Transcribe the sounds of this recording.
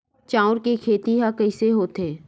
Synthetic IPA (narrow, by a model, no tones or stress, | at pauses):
t͡ʃaːʊɾkekʰeːt̪iɦakɐɪseɦoːt̪eː